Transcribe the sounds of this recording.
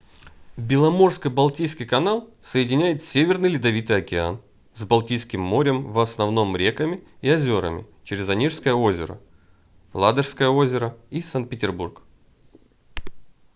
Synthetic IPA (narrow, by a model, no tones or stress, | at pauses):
bʲɪlˠɐmo̞rskəbɐlˠtʲijskʲijkɐnalˠsəjɪdʲɪnʲæjɪt̪sʲevʲɪrnɨjlʲɪd̪ɐvʲit̪ɨjɐkʲɪa̰n | zbɐlˠtʲijskʲɪmːo̞ɾʲɪmvɐsnɐvno̞mɾʲekəmʲɪiɐzʲo̞ɾə̰mʲɪ̰ | t͡ɕɪɾʲɪzɐnʲiʂskəjəozʲɪɾə̰ | lˠad̪əʂskəjəo̞zʲɪɾəisant̪̚pʲɪtʲɪrburk